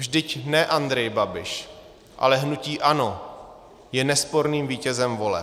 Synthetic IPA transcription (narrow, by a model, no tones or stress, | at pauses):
vʒdɪcnɛʔand̪ɾɛjbabɪʃ | ʔa̰lɛɦnuciːʔano | jɛnɛspo̞ɾniːmviːcɛzɛmvo̞lɛ̰